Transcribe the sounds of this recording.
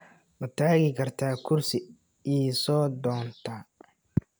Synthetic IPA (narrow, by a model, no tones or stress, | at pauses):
wɐt̪ʰaːɣɪkʰɐrt̪ʰaːkʰʊrsɪ | iːsɔːd̪ɔːnt̪ʰa